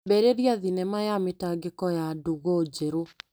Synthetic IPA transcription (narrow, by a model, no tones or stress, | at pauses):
bɛɾeɾiaðinɛmajametaɡekɔjaduɣod͡ʑeɾo